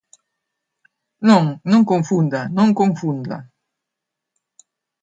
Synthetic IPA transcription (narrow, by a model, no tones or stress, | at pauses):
nõŋnõŋkõŋfund̪anõŋkõŋfund̪a̰